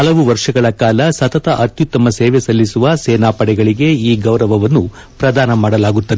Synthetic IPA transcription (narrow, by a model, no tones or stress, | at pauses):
ɐlɐʋuʋɐɾʂɐɡɐɭɐkaːlɐsɐt̪ɐt̪ɐʔɐt̪jut̪ːɐmɐseːʋesɐlːisuʋɐseːnaːpɐɽɛɡɐɭiɡe̞iːɡɐwɾɐʋɐʋɐnːu | pɾɐd̪ʱaːnɐmaːɽɐlaːɡut̪ːɐʋe